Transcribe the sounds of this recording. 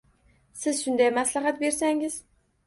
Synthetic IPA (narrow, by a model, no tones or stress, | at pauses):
sɪzʃʊnd̪ajmaslaɦat̪be̞ɾsaŋɪz̥